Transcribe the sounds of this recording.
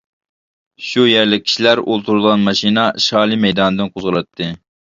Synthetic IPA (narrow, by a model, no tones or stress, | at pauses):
ʃujæɾlɪk̚ʲʰi̥ʃilæɾolˠt̪ʰuɾud̪ˠʁɑnmɑʃinɑʃɑːlˠimɛjd̪ɑːnɨd̪ɨnqʰozʁəlˠɑt̪ʰːɨ